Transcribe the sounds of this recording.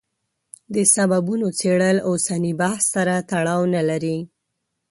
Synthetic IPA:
d̪əsababunot͡seɽəlosanibahsːaɾat̪aɽɑwnalaɾi

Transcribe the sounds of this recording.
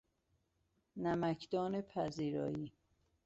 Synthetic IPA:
næmækʰd̪ɒːnepʰæziːɾɒ̰ːiː

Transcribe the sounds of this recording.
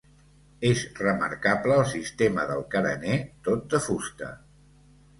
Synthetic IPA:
ezrəmə̰ɾkapləːlˠsist̪eməðəlˠkəɾə̰net̪ot̪̚d̪əfust̪ə̰

